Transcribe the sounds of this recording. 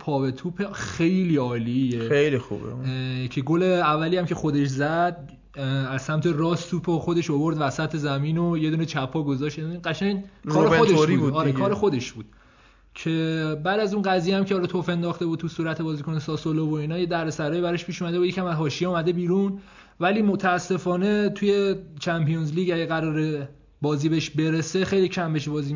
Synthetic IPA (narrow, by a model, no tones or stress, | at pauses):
pʰɒːvet̪ʰuːpʰexe̞jliːɒːlijeejlixṵbḛcʰe̞ɡoleævːæliːæmcʰexo̞d̪eʃzæd̪̥̚ | æz̥sæmt̪ʰe̞rɒːst̪ʰuːpʰoxo̞d̪e̞ʃobo̞ɾd̪væsæt̪ʰe̞zæmiːnojed̪uːnet͡ʃʰæpʰːɒːɡozɒːʃt̪iɢæʃæɲkːɾxod̪eʃbɾiuːɒːɾekʰɒːɾexo̞d̪e̞ʃb̥uːd̪̥ | cʰe̞bæːd̪æzunɢæzijeæmcʰeɒːlɒːt̪ʰofe̞nd̪ɒːxt̪e̞bud̪̚t̪usuːɾæt̪ʰe̞bɒːziːkʰo̞nesɒːsolovoiːnɒːjed̪æɾesæɾɒːjibæɾeʃpʰiːʃumæd̪e̞bujecʰʲæmæzɦɒːʃijeumæd̪e̞biːɾun | væliːmot̪ʰæːsːe̞fɒːne̞t̪ʰuje̞t͡ʃʰæmpijonzliːɡæɟæɣæɾɒːɾe̞ | bɒːziːbeeʃbe̞ɾese̞xejlicʰæmbeʃ̬bɒːziː